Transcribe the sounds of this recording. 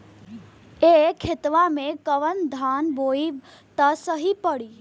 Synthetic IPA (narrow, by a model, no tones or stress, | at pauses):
ekʰɪt̪ʋãmẽkəʋənd̪ʱaːnboːiʋ | t̪əsəɦipəɽiː